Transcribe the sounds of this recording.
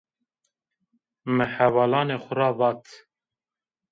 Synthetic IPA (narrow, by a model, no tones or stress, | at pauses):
mɨhævɑːlɑːneːxʷʊɾɑːvɑːt̪ʰ